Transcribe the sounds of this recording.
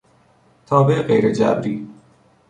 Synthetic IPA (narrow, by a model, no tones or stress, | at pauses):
t̪ʰɑːbeʔɣejɾed͡ʒæbɾiː